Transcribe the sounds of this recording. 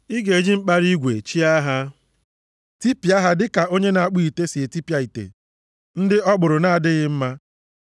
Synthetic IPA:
i˦ɡe˨d͡ʒi˦ŋ͡m̩˦k͡pa˦ɾi˦ɡʷḛ˨t͡ʃi˦a˦ɦa˦ | ti˦pi˨a˦ɦa˦dɪ˦ka˨o˦ɲe˦na˨a˦˨k͡pi˦˨i˨te˦si˨e˨ti˦pi˦a˨i˨tḛ˨ | n̩˦dɪ˦ʔɔ˦ɡ͡bʊ˨ɾʊ˨na˦a˨dɪ˦ɣɪ˦m̩˦ma˦

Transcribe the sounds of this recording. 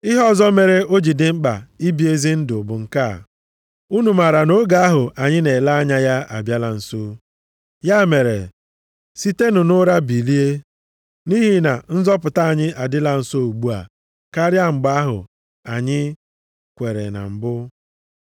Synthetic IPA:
ɪ˦ɦɔ˦˨zɔ˦me˨ɾe˨ʔo˦d͡ʒi˨dɪ˨ŋ͡m̩˦k͡pa̰˨i˦bi˨e˦zi˦n̩˦dʊ˨bʊ˨ŋ̩˨ka˦˨ | u˦nu˨ma˨ɾa˨no˦ɡa˨a˦ɦʊ˨ʔa˨ɲɪ˦ne˨la˦a˦ɲa˦ja˦a̰˨bja˦la˨n̩˨so˦ | ja˦˨me˨ɾḛ˨ | si˦te˦nʊ˨nʊ˦ɾa˦bi˨li˦e˦ | ni˦ɦi˨na̰˨n̩˦zɔ˦p̬ʊ˨ta˦a˨ɲɪ˦ʔa˨dɪ˦la˨n̩˨so˦˨u˨ɡ͡bu˦a̰˨ | ka˦ɾja˦ŋ͡m̩˨ɡ͡ba˦ɦʊ̰˨ | a˨ɲɪ˦ | kʷe˨ɾḛ˨na̰˨m̩˨bʊ˦

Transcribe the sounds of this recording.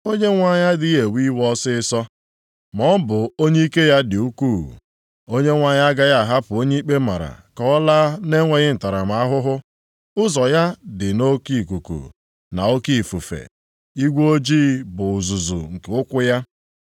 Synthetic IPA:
o˦ɲe˦ŋʷa˨ɲa˦di˦je˨wi˦wɔ˦sɪ˦ɪ˦sɔ˦ | mɔ˦m̩˦bʊ˨o˦ɲe˦i˦ke˦ja˦dɪ˨u˦ku˦˨ | o˦ɲe˦ŋʷa˨˦ɲa˦ɡa˦ja˦˨ɦa˦pʊ˨o˦ɲe˦i˦k͡pe˦ma˨ɾa̰˨kɔ˦laː˦ne˦ŋʷe˨ɣɪ˦n̩˨ta˨ɾa˨m̩˨a˦ɦʊ˦ɦʊ˦ | ʊ˦zɔ˨ja˦dɪ˨no˦ki˦˨ku˨kṵ˨ | na̰˨o˦ki˦˨fu˨fḛ˨ | i˦ɡʷo˦d͡ʒiː˦bʊ˨zu˨zu˨ŋ̩˨ke˨ʊ˦kʷʊ˦ja˦

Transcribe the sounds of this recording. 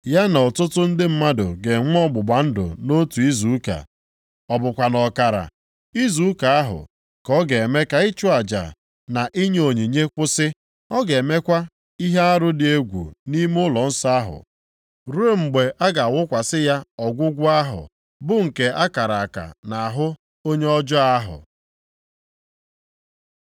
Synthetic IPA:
ja˦nɔ˨tʊ˦tʊ˦n̩˦dɪ˦m̩˦ma˦dʊ̰˨ɡe˨ŋ˦ɔ˦ɡ͡bʊ˨ɡ͡ba˨˦n̩˦dʊ̰˨no˦tu˨i˦zu˨˦ka̰˨ | ɔ˨bʊ˨kʷa˨nɔ˨ka˨ɾa̰˨ | i˦zu˨˦ka˨a˦ɦʊ̰˨ | kɔ˦ɡe˨e˨me˦ka˨i˦t͡ʃʊ˦a˨d͡ʒa̰˨ | na˨ʔi˦ɲe˦o˨ɲi˨ɲe˦kʷʊ˦sɪ˦ | ɔ˦ɡe˨me˦kʷa˦ | i˦ɦe˦a˦ɾʊ˦dɪ˨e˦ɡʷṵ˨ni˦mʊ˦lɔ˨n̩˦sa˦a˦ɦʊ̰˨ | ɾe˦ŋ͡m̩˨ɡ͡be˨ʔa˦ɡa˨a˨wʊ˦kʷa˨sɪ˦ja˦ɔ˨ɡʷʊ˦ɡʷʊ˦a˦ɦʊ̰˨ | bʊ˦ŋ̩˨ke˨a˦ka˨ɾa˨ka̰˨na˨a˨ɦʊ˦ | o˦ɲe˦ɔ˦d͡ʒɔ˦a˦ɦʊ̰˨

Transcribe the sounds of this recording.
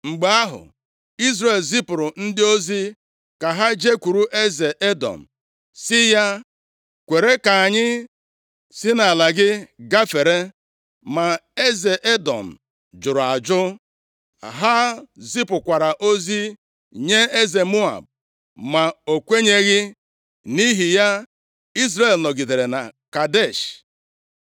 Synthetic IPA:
ŋ͡m̩˨ɡ͡ba˦a˦ɦʊ̰˨ | i˦zɾe˨lzi˦pʊ˨ɾʊ˨n̩˦dɪ˦o˦zi˦ | ka˨ɦa˦d͡ʒe˦kʷu˨ɾu˦ʔe˦ze˨ʔe˦dɔ̰˨m̩˨ | sɪ˦ja˦ | kʷe˨ɾe˦ka˨a˨ɲɪ˦ | sɪ˦na˨la˨ɡɪ˦ɡa˦fe˨ɾe˦ | ma˨e˦ze˨ʔe˦dɔ̰˨m̩˨ | d͡ʒʊ˨ɾʊ˨a˨d͡ʒʊ˦ | a̰˨ɦa˦zi˦pʊ˨kʷa˨ɾa˨ʔo˦zi˦ | ɲe˦e˦ze˨mu˦a̰˨b̚ | ma˨o˨kʷe˦ɲe˦ɣɪ˦ | ni˦ɦi˨ja˦ | i˦s̬ɾe˨˦˨lnɔ˨ɡi˨de˨ɾe˨na˨ka˨de˦˨ʃ

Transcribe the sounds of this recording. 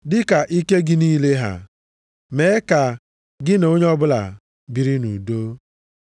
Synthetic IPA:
dɪ˦ka˨ʔi˦ke˦ɡɪ˦niː˦le˦ɦa̰˨ | me˨˦ka˨ | ɡɪ˦no˦ɲe˦ɔ˦bʊ˦la̰˨ | bi˨ɾi˦nu˨do˦

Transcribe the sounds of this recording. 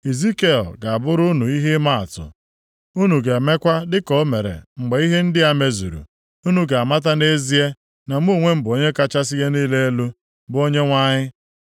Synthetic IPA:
i˨zi˦ke˦ɔ̰˨ɡa˨a˨bʊ˦ɾʊ˦nu˨i˦ɦɪ˦ma˦a̰˨tʊ̰˨ | u˦nu˨ɡe˨me˦kʷa˦dɪ˦kɔ˦me˨ɾḛ˨ŋ͡m̩˨ɡ͡be˨i˦ɦe˦n̩˦dɪ˦a˨me˦zu˨ɾṵ˨ | u˦nu˦ɡa˨a˨ma˦t̬a˦ne˦zi˦e˦ | na˨m˦u˦˨ŋʷe˦m̩˦bʊ˨o˨ɲe˦ka˦t͡ʃa˦s̬ɪ˦ɣe˦niː˦le˦e˦lu˦ | bʊ˦o˦ɲe˦ŋʷa˦ɲɪ˦

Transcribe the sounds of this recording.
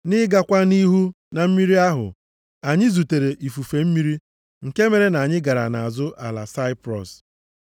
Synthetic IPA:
nɪ˦ɡa˨kʷa˦ni˦ɦu˦ | na˨m̩˦mi˦ɾi˦a˦ɦʊ̰˨ | a˨ɲɪ˦zu˨te˨ɾe˨ʔi˨fu˨fe˨m̩˦mi˦ɾi˦ | ŋ̩˨ke˦me˨ɾe˨na˨ɲɪ˦ɡa˨ɾa̰˨na˨a˨zʊ˦ʔa̰˨la̰˨sa˦ɪ˦pɾɔ˨s

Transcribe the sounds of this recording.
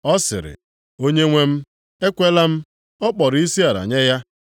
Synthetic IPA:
ɔ˦sɪ̰˨ɾɪ̰˨ | o˦ɲe˦ŋʷe˦m̩˦ | e˦kʷe˦la˦m̩˦ | ɔ˦k͡pɔ˨ɾi˦si˦a˨ɾa̰˨ɲe˦ja˦

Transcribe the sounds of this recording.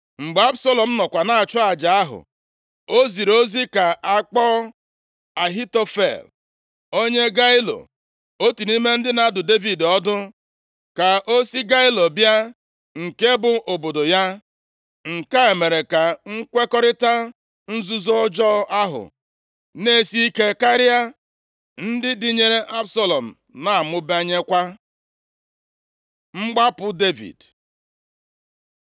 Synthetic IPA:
ŋ͡m̩˨ɡ͡be˨˦a˦bso˦lɔ˨m̩˦nɔ˨kʷa˨na˨a˨t͡ʃʊ˦a˨d͡ʒa˨a˦ɦʊ̰˨ | o˦zi˨ɾo˦zi˦ka˨a˦˨k͡pɔ˦ | a˨ɦi˦to˦fḛ˨l | o˦ɲe˦ɡa˦ɪ˦lo̰˨ | o˦tu˨ni˦me˦n̩˦dɪ˦na˨dʊ˨de˦vi˨dɔ˦dʊ˦ | ka˨ʔo˦si˦ɡa˦ɪ˦lo˨bja˦ | ŋ̩˨ke˦bʊ˨o˨bo˨do˨ja˦ | ŋ̩˨ka˦e˨me˨ɾe˨ka˨ŋ̩˦kʷe˦kɔ˦ɾɪ˦ta˦ | n̩˦zu˦zɔ˦ɔ˦d͡ʒɔ˦a˦ɦʊ̰˨ | ne˦si˦i˦ke˦ka˦ɾɪ˦a˦ | n̩˦dɪ˦dɪ˦ɲe˦ɾe˦ʔa˦bsa˦lɔ˨m̩˨ | na˨a˨mʊ˦ba˦ɲe˦kʷa˦ | ŋ͡m̩˦ɡ͡ba˦pʊ˦de˦vḭ˨d

